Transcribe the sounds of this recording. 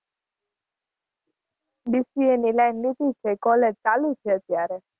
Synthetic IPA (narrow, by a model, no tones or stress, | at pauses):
bisienilajnːit̪it͡ʃʰekɔlet͡salut͡ʃʰeət̪jaɾe